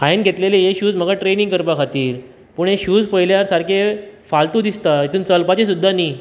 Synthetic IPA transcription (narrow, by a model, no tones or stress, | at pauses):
aenɡʱet̪lelejeɕuːd͡zm̤əɡaʈɾeniŋɡkəɾpakʰat̪iːɾ | puːɳeɕuːd͡zpəɦjljaɾsaɾkefalt̪ud̪ist̪ait̪ʰuːnt͡səlpat͡ɕesud̪ʱːaniː